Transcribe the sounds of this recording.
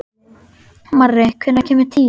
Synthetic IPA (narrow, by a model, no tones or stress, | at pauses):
marːɪkʰvʏnːacʰɛːmɪɾt̪ʰi